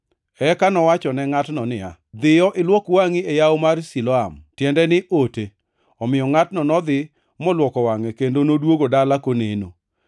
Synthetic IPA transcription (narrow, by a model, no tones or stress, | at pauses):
ɛkanɔwat͡ʃɔnɛŋatnɔnɪa̰ | d̪ɪjɔʔɪlwɔkwaŋɪejaomarsilɔamtjɛndɛnɪʔote | ɔmɪjɔŋatnɔnɔd̪ɪ | mɔlwɔkɔwaŋɛkendonodwoɡodalakoneno̰